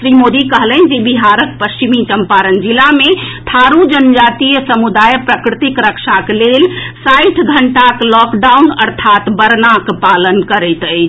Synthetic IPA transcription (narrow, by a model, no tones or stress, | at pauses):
sɾimod̪ikəɦlənd͡ʒebiɦaɾək̚pəst͡ʃimit͡ʃəmpaɾənd͡ʒilamet̪ʰaɾud͡ʒənd͡ʒat̪ijəsəmud̪ajpɾəkɾit̪ikɾəkʃaklelsajʈʰɡʱəɳʈaklɔkɖaunəɾt̪ʰat̪bəɾnakpalənkəɾəjt̪ət͡ʃʰ